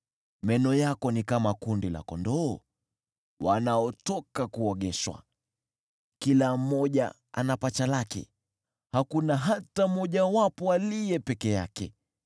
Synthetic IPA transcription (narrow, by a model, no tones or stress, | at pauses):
mɛnɔjakɔnikamakundila̰kɔndɔː | wanaɔtɔkakuɔɠɛʃwa̰ | kilam̩ɔʄa̰ | a̰napat͡ʃalakɛ̰ | hakunaɦatamɔʄawapɔalijɛpɛkɛja̰kɛ̰